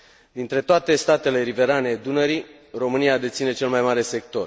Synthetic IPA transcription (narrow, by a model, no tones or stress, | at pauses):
d̪int̪ɾe̞t̪oat̪e̞st̪at̪e̞le̞ɾive̞ɾaned̪unəɾi | ro̞mɨniad̪e̞t̪sine̞t͡ʃe̞lmajmaɾe̞se̞k̚t̪o̞r